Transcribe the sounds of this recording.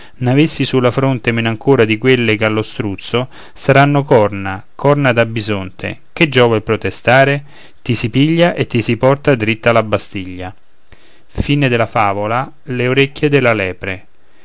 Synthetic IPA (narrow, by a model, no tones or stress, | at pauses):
navesːisulːafɾont̪emenaŋkoːɾad̪ikwelːekalːost̪ɾut̪sːo | saɾanːokɔrnakʰɔrnad̪abːizont̪ʰḛk̟ed͡ʒːɔːvailpɾot̪est̪aːɾe | t̪isipiʎːaʔet̪ːisipɔrt̪ad̪ɾit̪ːalabːast̪iʎːa | fiːned̪elafaːvola | leoɾekːjed̪elːalɛːpɾe